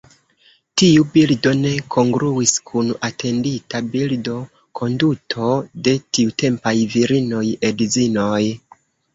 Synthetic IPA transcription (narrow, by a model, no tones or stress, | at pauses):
tiubildo̞ne̞kʰo̞ŋɡɾuiskʰunatʰe̞nditabildo̞ | kʰo̞ndutʰo̞de̞tiute̞mpajviɾino̞jedizino̞j